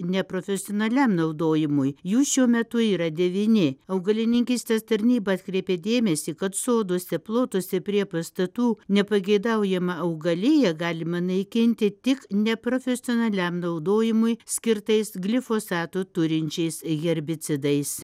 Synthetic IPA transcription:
nʲɛpɾofʲɛsʲɪoːnɐlʲɛmnɐʊd̪oːjɪmʊjjuːʃʲuɔmʲɛt̪ʊiːɾɐd̪ʲɛʋʲiːnʲɪɐʊɡɐlʲɪnʲɪŋʲkʲiːsʲt̪ʲeːst̪ɐɾʲnʲiːbɐɐt̪ʲkɾʲeɪpʲeːd̪ʲeːmʲɛsʲiːkɐt̪soːd̪osʲɛplˠoːt̪ʊsʲɪpʲɾʲiɛpɐst̪ɐt̪uːnʲɛpɐɡʲɛɪd̪ɐʊjɛmɐɐʊɡɐlʲɪjɛɡɑːlʲɪmɐnɐɪkʲɪnʲt̪ʲɪt̪ʲɪknʲɛpɾoːfʲɛsʲɪoːnɐlʲɛmnɐʊd̪oːjɪmʊjsʲkʲɪɾt̪ɐɪsɡlʲɪfoːsɑːt̪ut̪ʊɾʲɪnʲt͡ʃʲɛɪsɣʲɛɾʲbʲɪt͡s̪sʲɪd̪ɐɪs

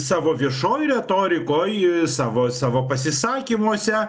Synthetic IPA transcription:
sɑːʋoːʋʲiɛʃoːjɾʲɛt̪oːɾʲɪkoːjsɑːʋoːsɑːʋoːpɐsʲɪsɑːkʲiːmoɔsʲɛ

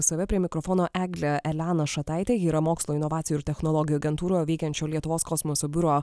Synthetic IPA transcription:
sɐʋʲɛpʲɾʲiɛmʲɪkɾɔfɔːnoːʔæːɡlʲɛʔɛlʲæːnɐʃɐt̪ɑˑɪt̪ʲeːjiːɾɐmoːkslˠoːɪnɔʋaːt̪sʲɪjuɪɾt̪ʲɛxnɔlˠɔɡʲɪjuɐɡʲɛnt̪uːɾoːjʋɛɪkʲɛnʲt͡ʃʲoːlʲiɛt̪ʊʋoːskɔsmosoːbʲʊɾoː

